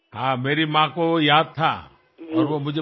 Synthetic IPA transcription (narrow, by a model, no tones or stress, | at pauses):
hãːmeːɾimãkojaːd̪̚t̪ʰa̰ | ɔːɾʋomʊd͡ʒʱe